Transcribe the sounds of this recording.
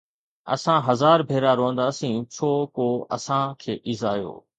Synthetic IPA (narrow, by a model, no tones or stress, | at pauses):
ə̰sãːɦəzaːɾbʱeːɾaːɾoːnd̪aːsĩːt͡ʃʰoːkoːə̰sãːkʰeːʔɪzaːjo̰ː